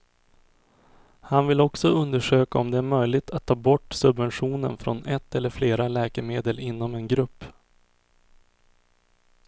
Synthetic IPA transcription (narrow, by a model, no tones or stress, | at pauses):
hanvɪlːɔksɔɵnd̪əʂøːkaɔmd̪ɛæɾmœjlɪɡt̪ʰat̪ʰːɑːbɔʈːsɵbvɛnɧuːnə̰nfɾo̰nʔɛt̪ʰːɛlːəɾfleːɾalɛːkəɾmeːd̪əlɪnːɔmɛnɡɾɵpː